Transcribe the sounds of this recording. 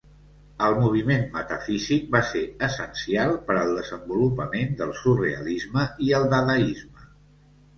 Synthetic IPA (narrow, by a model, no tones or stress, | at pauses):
əlˠmuβ̞imenmət̪əfizik̚baseəsənsialˠpəɾəlˠd̪əzəmbulupəmend̪əlˠsureə̰lizməiəlˠd̪aðəizmə